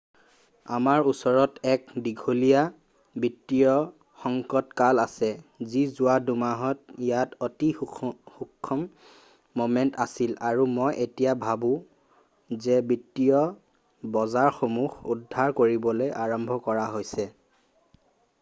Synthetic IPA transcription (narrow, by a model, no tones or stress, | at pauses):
a̰maɹusɔɹɔtɛkdiɡʱolija | bitːijɔ | xɔŋkɔtkalasɛzizʊwadumaɦɔtijatotixukʰːɔmː | omɛntasilaɹumɔjʔetijabʱabũ | zɛbitːijɔ | bɔzaɹxomuxudʱːaɹkoɹibɔlojʔaɹɔmbʱɔkɔɹaɦojsɛ